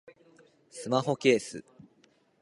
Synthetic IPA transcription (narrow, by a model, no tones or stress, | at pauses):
sɨmaɦo̞ke̞ːsɨ̰